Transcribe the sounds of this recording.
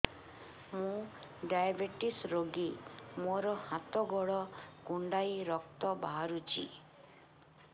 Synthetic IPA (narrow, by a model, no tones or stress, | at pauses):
mũ | ɖajbeʈisɾoɡimoɾɔhat̪ɔɡɔɭɔɡuɳɖajɾɔk̚t̪ɔbaɦaɾut͡ʃʰḭ